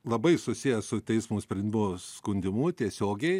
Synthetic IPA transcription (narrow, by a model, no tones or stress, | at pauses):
lˠɐbɐɪsʊsʲijɛsʊt̪ʲɛɪsmuːsʲpʲɾʲɛnʲd̪ʲɪmʊskʊnʲd̪ʲɪmʊt̪ʲiɛsʲoːɡʲɛɪ